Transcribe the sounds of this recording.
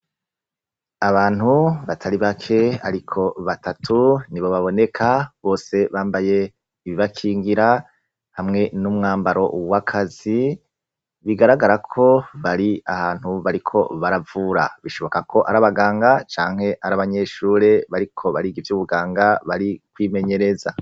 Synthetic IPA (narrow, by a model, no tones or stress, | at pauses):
aβaːn̥huβatʰaɾiβakʰe̞aɾikʰo̞βatʰatʰuniβo̞βaβo̞ne̞kʰaβo̞ːse̞βaːmbaje̞ | iβiβakʰiːŋɡiɾa | hamŋe̞numŋaːmbaɾo̞̰wakʰazi | βiɡaɾaɡaɾakʰo̞βaɾiahaːn̥huβaɾikʰo̞βaɾavuːɾa̰βiʃo̞βo̞kakʰo̞ʔaɾaβaɡaːŋɡat͡ʃaːŋ̥he̞ʔaɾaβaɲe̞ːʃuːɾe̞βaɾikʰo̞βaɾiɡivjuβuɡaːŋɡaβaɾikwiːme̞ɲe̞ɾe̞za